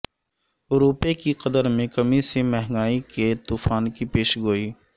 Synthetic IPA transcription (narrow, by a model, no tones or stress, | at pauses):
ʊɾuːpekiqəd̪əɾmẽkəmisemɛɦŋɡaːiket̪uːfaːnkipeːʃɡoːiː